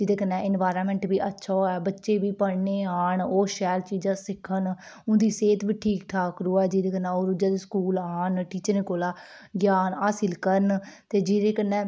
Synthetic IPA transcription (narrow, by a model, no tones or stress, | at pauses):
d͡ʒɪd̪eːkənːɛ̃ːʔɪnʋaːɾaːmɛ̃ːɳʈbiːʔətːʃʰaːoɛːbətːʃeːbiːpəɽneːaːɳoːʃɛːlt͡ʃiːd͡ʒãːsɪkʰːən | ʊ̃ːd̪iːseːt̪biːʈʰiːkʈʰaːkɾuːɛːd͡ʒid̪eːkənːɛ̃ːoːɾʊd͡ʒãːd̪eːskuːlaːnʈiːt͡ʃənẽːkoːlaː | ɡjaːnaːsɪlkəɾənt̪eːd͡ʒiːɾeːkənːɛ̃ː